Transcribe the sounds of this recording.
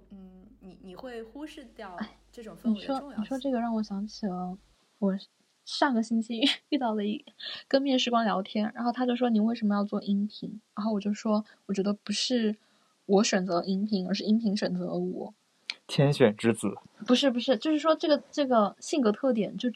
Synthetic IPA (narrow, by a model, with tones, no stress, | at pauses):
n̩˥˩ni˨˧˩ni˨˩xwe˥˩ɪxu˥ʂɻ̩˥˧t̪jɑ˥˧ʊa˥˩ɪʈ͡ʂɤ˥˧˩ʈ͡ʂʊ˨˩ŋni˨˩ʂwɔ˥ni˨˩ʂwɔ˥ʈ͡ʂɤ˥˩ɡə˩ɻɑ˥˩ŋwɔ˨˩ɕjɑ˧˥ŋt͡ɕʰi˨˩lə˧˦ | wɔ˨˩ | ʂa˥˩ɡə˩ɕi˥nt͡ɕʰi˥y˥˧t̪ɑ˥˩ʊlə˩i˥˩kə˥nmjɛ˥˩ʂɻ̩˧˥kwɑ˥ŋljɑ˧˥ʊt̪ʰjɛ˥nɻa̰˧˥nxo˥˩ʊt̪ʰa˥t͡ɕjʊ˥˩wɔ˥ni˨˩nwe˥˩ɪʂə˧˥mə˧jɑ˥˧ʊt͡swɔ˥˩ʔi˥ŋpʰi˧˥ŋɻa˧˥xo˥˩ʊwɔ˨˩t͡ɕjo˥˧ʊʂʂwɔ˥wɔ˨˩t͡ɕɥɛ˧˥d̪ə˧pu˧˥ʂɻ̩˥˩ | wɔ˧˥ɕɥɛ˨˩nt͡sɤ˧˥˧i˥ŋpʰi˧˥ŋə˞˧˥ʂɻ̩˥˩˧i˥ŋpʰi˧˥ŋɕɥɛ˨˩nt͡sɤ̰˧˥lwɔ̰˨˩˦ | t̪ʰjɛ˥nɕɥɛ˨˩nʈ͡ʂɻ̩˥t͡sɹ̩˨˩˦ | pu˧˥ʂɻ̩˥˩p̬u˧˥ʂɻ̩˥˩t͡ɕjo˥˧ʊʂɻ̩˥˩ʂwɔ˥ʈ͡ʂɤ˥˩ɡə˩ʈ͡ʂɤ˥˩ɡə˩ɕi˥˩ŋkɤ˧˥t̪ʰɤ˥˩t̪̬jɛ˨˩nt͡ɕjo˥˧ʊ